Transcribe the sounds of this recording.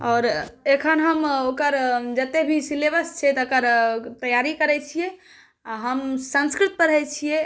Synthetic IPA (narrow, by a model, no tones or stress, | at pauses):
ɔːɾekʰənɦəmokəɾd͡ʒət̪ebʱisilebəst͡ʃʰɛt̪okəɾt̪əjaɾikəɾɛt͡ʃʰije | aɦəmsə̃nskɾit̪̚pəɾɦɛt͡ʃʰije